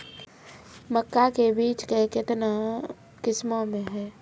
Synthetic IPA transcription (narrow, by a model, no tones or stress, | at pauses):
məkːakebiːt͡ʃkekɪt̪na | kɪsmomẽɦɛː